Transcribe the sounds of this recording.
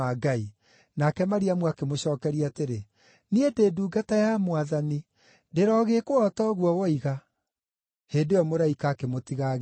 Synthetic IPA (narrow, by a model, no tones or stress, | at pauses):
aɡai | nakɛmaɾiamwakemoɕɔːkɛɾiateɾe | niedeːduːɡatajamwaðani | deɾɔɣeːkoɔtɔɣwɔwɔiɣa | hendejɔmoɾaikaːkemotiɣaɣ